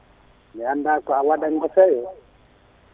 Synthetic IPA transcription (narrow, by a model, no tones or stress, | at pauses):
niandakawadaŋɡɔsɛjɔ